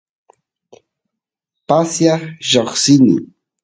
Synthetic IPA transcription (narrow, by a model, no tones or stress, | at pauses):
pasjaʒoχsɪnɪ̰